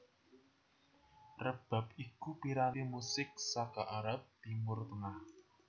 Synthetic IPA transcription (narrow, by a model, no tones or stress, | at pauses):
rəb̥a̤p̚ikupiɾanimusɪk̚sakaʔaɾap̚t̪imʊrt̪əŋah